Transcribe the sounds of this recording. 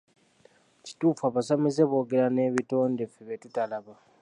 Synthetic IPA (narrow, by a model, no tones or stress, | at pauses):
ci̥tuːfaːβasamizeβo̞ːɡeɾane̞ːβito̞ːnde̞fiβetutalaβa